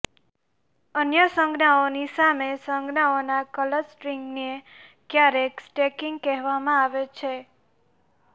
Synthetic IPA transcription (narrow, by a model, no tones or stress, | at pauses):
ənjəsə̃ŋɡnaonisamesəŋɡnaonakələɾsʈɾiŋɡne | kjaɾeksʈekĩŋɡkɛɦʋamãaʋet͡ʃʰe